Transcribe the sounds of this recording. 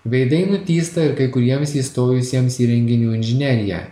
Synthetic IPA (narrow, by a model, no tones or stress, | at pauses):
ʋʲɛɪd̪ɐɪnʊt̪ʲiːst̪ɐɪɾkɐɪkʊɾʲiɛmsiːst̪oːjʊsʲiɛmsiːɾʲɛŋʲɡʲɪnʲuːɪnʲʒʲɪnʲɛɾʲɪjɛ̰